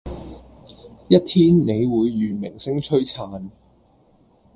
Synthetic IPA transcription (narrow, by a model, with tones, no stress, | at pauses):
jɐ˥t̚t̪ʰiː˥nne˨˧jwuː˨˧jːyː˨˩nmɪ˨˩ŋsɪ˥ŋt͡ʃʰɵ˥ɥt͡sʰaː˧n